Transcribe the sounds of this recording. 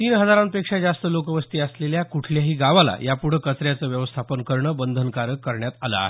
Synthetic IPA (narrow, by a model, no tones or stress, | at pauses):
t̪iːnɦəd͡zaɾanpekʂad͡zast̪əlokəʋəst̪iːəsleljakuʈʰljaɦiːɡaʋala̰japuɽ̤əkət͡sɾjat͡səːʋjəʋəst̪ʰapənkəɾɳəːbənd̪ʱənkaɾəkəɾɳjat̪ala̰